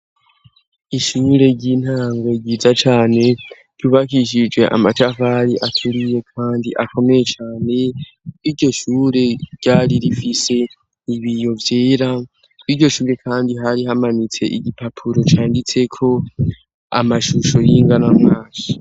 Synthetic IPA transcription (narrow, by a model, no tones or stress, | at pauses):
iʃuːɾe̞ɟin̥haːŋɡo̞ɟizat͡ʃaːne̞ | ɟ̥uːβakiʃ̬id͡ʒɡwe̞ʔa̰mat͡ʃavaɾiʔatʰuɾije̞kʰaːndiʔakʰo̞me̞je̞t͡ʃaːne̞ | kwiːɟo̞ʃuːɾe̞ɟ̥aːɾiɾifise̞ | iβijo̞vjeːɾa | kwiːɟo̞ʃuːɾe̞kʰaːndiɦaɾiɦamanit͡se̞̰ʔiɟipapʰuɾo̞t͡ʃaːndit͡se̞kʰo̞ | a̰maʃuʃo̞jiːŋɡanamŋaːʃi